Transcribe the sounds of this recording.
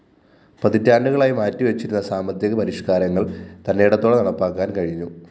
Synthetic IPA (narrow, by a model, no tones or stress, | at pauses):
prɐðitːaːɳɖuɣɐɭaːjimaːtːiʋɐt͡ɕːiɾunːɐsaːmɐd̪jɐɣɐpɐɾiʂkaːɾɐŋːɐɭt̪ɐnːejɽɐt̪ːoɭenɐɽɐpːaːkːaːnkɐɻiɲːu